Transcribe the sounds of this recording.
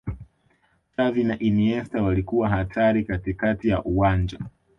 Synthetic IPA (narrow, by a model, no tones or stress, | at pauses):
tavinaʔiniɛstawalikuwaɦatʰaɾikatikatija̰ʔuwand͡ʒa̰